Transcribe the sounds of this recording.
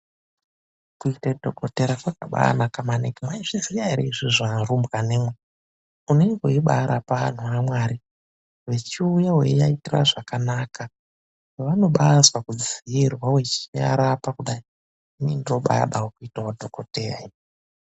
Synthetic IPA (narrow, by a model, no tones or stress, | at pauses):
kuitadʱo̞ko̞teɾakwakaɓa̰nakamanekimwaiʐ̥izijaɾḛiʐiʐanrumbɣanemwe | uneiɡoiɓaɾapaa̰n̤uamwaːɾi | we̞t͡ʃiujawḛejaitira̰ʐakanaːka | jeʋano̞ɓaswakud͡zijirwawe̞t͡ʃia̰ɾapakuɗai | inindiro̞ɓa̰ja̰ɗawokuitawodʱokoterai